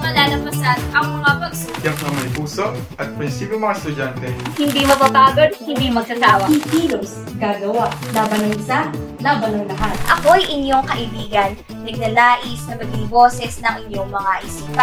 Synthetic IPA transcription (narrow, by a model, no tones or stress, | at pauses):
mɐlaːlɐmpɐsanʔɐŋmɐŋabɐɡsojakŋɐmɐjpuːsoʔʔɐt̪̚pɛnsibɪŋmɐŋast̪ʊd͡ʒant̪ɛhɪnd̪imɐpɐbaːɡod̪̚hɪnd̪imɐɡ̚t̪ɐt̪aːwɐikiːlos | ɡaːɡɐwaʔnabɐnɐnsa | nɐbɐnowlɐɦanʔɐ̰ko̞ʔɐjʔɪɲjo̞ŋkɐʔɪbiːɡɐnːɐɡ̚nɐlaːʔɪsnɐbɐɡɪŋbo̞ːsɛsnɐŋɪɲjo̞ŋmɐŋaʔɪsiːpɐ